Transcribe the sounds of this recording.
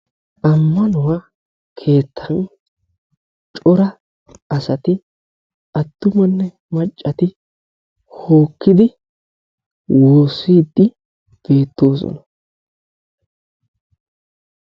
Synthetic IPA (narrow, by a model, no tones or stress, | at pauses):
ʔɐmːɐnʊwa | kʰe̞ːt̪ʰːɐn | t͡ʃʼɔɾɐ | ɐsɐt̪ɪ | ɐt̪ːʊmɐnːɛ | mɐt͡ʃʼːɐt̪ɪ | ho̞ːkːɪd̪ɪ | woːsiːd̪ːɪ | b̥e̞ːt̪ːo̞ːsɔ̰nɐ̥